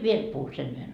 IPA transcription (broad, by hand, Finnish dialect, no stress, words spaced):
ʋiel puhu sen yhen